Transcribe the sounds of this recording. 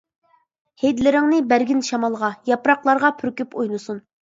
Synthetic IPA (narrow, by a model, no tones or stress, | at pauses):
hed̪lɪɾɪŋnɪbæɾɡʲinʃɑmɑlˠʁɑjɑpɾɑqlˠɑɾʁɑpʰyɾkʲypojnusun